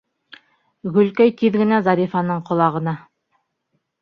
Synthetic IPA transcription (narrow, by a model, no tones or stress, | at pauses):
ɡɵ̆lkɵjt̪iðɡɘ̆næzɑɾifɑnɤɴqŏlˠɑʁɤ̆nɑ